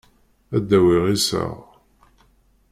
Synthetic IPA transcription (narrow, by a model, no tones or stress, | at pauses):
æd̪ːæwiʁisə̰ʁ